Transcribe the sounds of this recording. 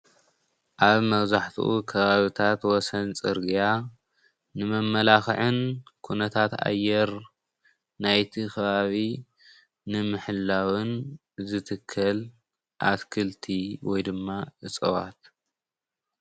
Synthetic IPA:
ʔaβmɐβzaħt̪ʰṵʔukʰɐβaβit̪ʰat̪wɔsɐnt͡sʼɨɾɡija | nɨmɐmːɐlaxʕɨnkʰunɐt̪ʰat̪a̰jːɛɾ | najt̪ʰikʰɐβaβi | nɨmɨħɨlːawɨn | zɨt̪ʰɨkʰːɐl | ʔat̪kʰɨlt̪ʰiwɔjd̪ɨmːaʔɨt͡sʼɐwa̰t̪

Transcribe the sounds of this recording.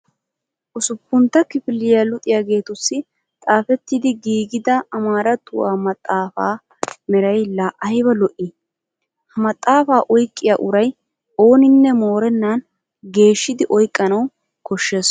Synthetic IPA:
ʔʊsʊpːʊnt̪ːɐkɪfɪlːɪjalʊt̪ʼɪjaːɡe̞ːt̪ʊsːɪ | t̪ʼaːfɛt̪ːɪd̪ɪɡiːɡɪd̪ɐːmaːɾɐt̪ːʊwaːmɐt̪ʼːaːfa̰ː | mɛɾɐjlɐʔɐjbɐlɔʔi | hɐmɐt̪ʼːaːfaːʔɔjkʼːɪjaːʔʊɾɐj | o̞ːnɪnːɛmo̞ːɾɛnːan | ɡe̞ːʃːɪd̪ɪʔɔjkʼːɐnɐw | kɔʃːeːs

